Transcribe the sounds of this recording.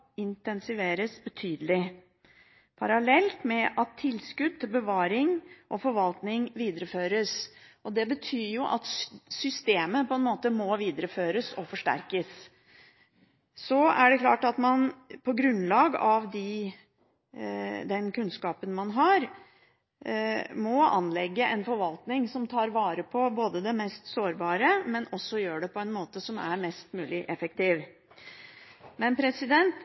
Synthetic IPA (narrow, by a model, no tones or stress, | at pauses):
ɪnt̪ɛnsɪʋeːɾəsbət̪ʰyːd̪əlɪ | pʰɑɾɑlɛlt̪mɛʔɑt̪ʰːɪlːskʉd̪̚t̪ʰɪlbəʋɑːɾɪŋʔɔfɔɾʋɑlt̪nɪŋʋiːd̪əɾəføːɾəsɔd̪ɛbət̪ʰyːɾjʊʔɑ̰t̪sʏst̪eːməpɔɛnmoːt̪əmɔʋiːd̪əɾəføːɾəsɔfɔʂʈæ̰ɾkəs | sɔæ̰ɖɛklɑːʈɑt̪mɑnpʰɔɡɾʉnlɑːɡɑʋd̪ɪ | d̪ɛnkʉnskɑːpənmɑnɦɑɾ | mɔɑ̰nlɛɡːəʔɛnfɔɾʋɑlt̪nɪŋsɔmt̪ʰɑːɾʋɑːɾəpʰɔboːd̪əd̪ɛmɛst̪soːɾbɑːɾəmɛnɔsːɔjøːɖɛpʰɔɛnmoːt̪əsɔmæ̰ɾmɛst̪mʉːlɪʔɛfɛk̚t̪iːʋ | mɛnpʰɾɛsɪd̪ɛnt̪